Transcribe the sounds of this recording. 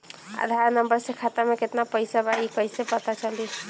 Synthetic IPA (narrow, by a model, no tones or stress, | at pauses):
a̰d̪ʱaɾnəmbəɾsekʰat̪ameket̪napəjsabaikəjsepət̪at͡ʃʰəli